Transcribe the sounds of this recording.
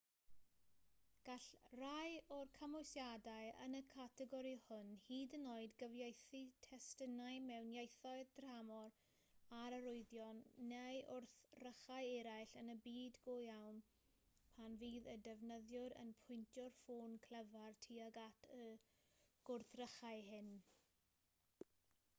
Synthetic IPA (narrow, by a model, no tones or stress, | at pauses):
ɡ̥aɬrajɔrkʰamɔjsjadajə̰nəkʰatʰɛɡɔɾihʊnhiːdənoːɨdɡəvjejθitʰɛstənajmɛwnjajθɔɨd̥ramɔr | aɾəɾʊɨðjɔnːejʔʊrθrəχajɛɾajɬənəbiːdɡojawn | pʰanviːðədɛvnəðjʊɾə̰npʰʊjntʰjɔrfoːnkʰl̥ˠəvartʰiːaɡatʰə | ɡ̥ʊrθrəχaɨhɪn